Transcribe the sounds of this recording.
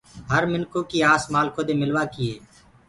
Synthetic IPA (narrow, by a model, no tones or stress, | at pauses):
ɦəɾmɪnkõːkiːaːsmaːlkoːd̪eːmɪlʋaːkɪeː